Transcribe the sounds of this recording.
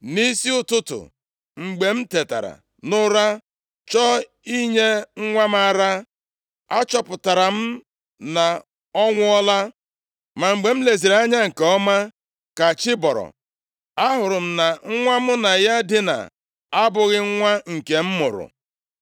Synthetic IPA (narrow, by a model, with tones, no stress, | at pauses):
ni˦si˦ʊ˦tʊ˦tʊ̰˨ | ŋ͡m̩˨ɡ͡be˨m̩˦te˨ta̰˨ɾa̰˨ | nʊ˦ɾa˦ | t͡ʃɔ˦ | i˦ɲe˦ŋ̩˦ŋʷa˦m̩˦a˦˨ɾa˦ | a˦t͡ʃɔ˦pʊ˨ta˨ɾa˨m̩˦ | na˨ | ɔ˦ŋʷʊ˦ɔ˦la˦ | ma˨ŋ͡m̩˨ɡ͡be˨m̩˦le˨zi˨ɾa˦ɲa˦ŋ̩˨ke˨ɔ˦ma˦ | ka˨t͡ʃɪ˦bɔ˨ɾɔ̰˨ | a˦ɦʊ˨ɾʊ˨m̩˦na˨ŋ̩˦ŋʷa˦mʊ˦na˨ja˦dɪ˦na̰˨ | a˦bʊ˨ɣɪ˦ŋ̩˦ŋʷa˦ŋ̩˨ke˨m̩˦mʊ̰˨ɾʊ̰˨